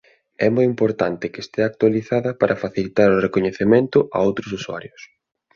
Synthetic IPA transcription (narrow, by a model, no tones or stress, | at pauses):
ɛmojimpoɾt̪ant̪ɪkɪest̪eak̚t̪waliθaðɐpaɾʔɐfaθilit̪aɾʊrekoɲeθemẽnt̪ʊʔa̰owt̪ɾʊsuswa̰ɾjʊs